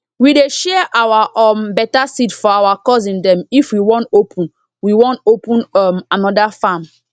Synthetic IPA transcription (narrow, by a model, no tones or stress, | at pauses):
wideʃɛʔawaʔɔmbɛtasitfɔawakɔs̬ĩndɛ̃mifwiwɔ̃ntopʰũn | wiwɔ̃ntopũnɔmanɔdafam